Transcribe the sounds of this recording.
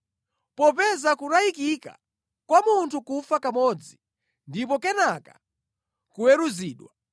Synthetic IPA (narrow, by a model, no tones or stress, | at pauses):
pɔp̬ɛzakuɾajikika̰ | kwamuntʰukufakamɔd͡zi | ndipɔkɛnaka | kuwɛɾuziːɗwa